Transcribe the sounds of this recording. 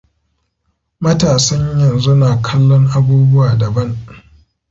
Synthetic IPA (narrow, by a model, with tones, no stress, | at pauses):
mɐ˦taː˨sɐ˦ɲjɐ˨nzu˦naː˨kʰɐ˦lːɔ˦ŋʔa˦buː˦bʊ˦waː˨dɐ˨bɐ˦ŋ